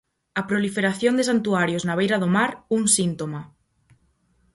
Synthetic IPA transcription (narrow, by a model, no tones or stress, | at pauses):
apɾolifeɾaθjond̪es̬ant̪uaɾjoznaβ̞ejɾaðomaɾuŋsint̪oma